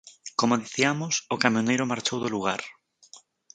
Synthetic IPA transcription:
komoðiθiamosokamjonejɾomaɾt͡ʃowðoluɣ̞aɾ

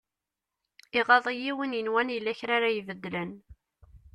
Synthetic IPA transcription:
iʁɑðˤijiwənjənwænjəlːæçɾaɾajvəd̪ːlən

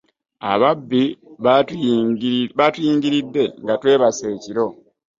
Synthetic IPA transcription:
a̰βabːi | βatuiːŋɟiɾidːe̞ŋɡatwe̞ːβase̞ːciɾo̞

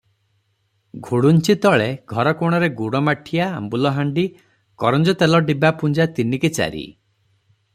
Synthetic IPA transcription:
ɡʱuɽunt͡ʃit̪ɔɭeɡʱɔɾɔkoɽ̃ɔɾeɡuɽɔmaʈʰija̰ːmbulɔɦaɳɖi | kɔɾɔnd͡ʒɔt̪elɔɖibapund͡ʒat̪iniket͡ʃa̰ɾḭ

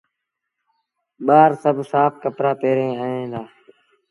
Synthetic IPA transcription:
ɓaːɾsəbʱsaːpʰkəpɾaːpeːɾẽːaːɦẽːd̪aː

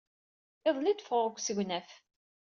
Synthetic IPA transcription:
ɪðˤlid̪fəʁəkʷːsəʝʷnæf

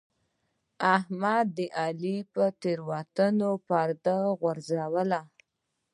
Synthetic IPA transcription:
ahmad̪ːəʔalipət̪eɾwɑt̪ənopɑɾd̪əɣwaɾzawəla

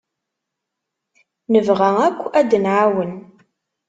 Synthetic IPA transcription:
nɨvʁɐŋɐkʷʰːʔɐdɨnaːwən

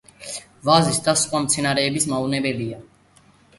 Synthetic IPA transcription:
vazisd̪asχwamt̪sʰɛnaɾɛːbismaunɛbɛlia

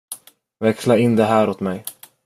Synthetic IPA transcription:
vɛkslaɪnːd̪ɛɦæːɾot̪mɛj

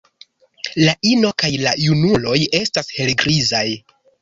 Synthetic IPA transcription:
laʔino̞kajlajunulo̞je̞stashe̞lɡɾizaj

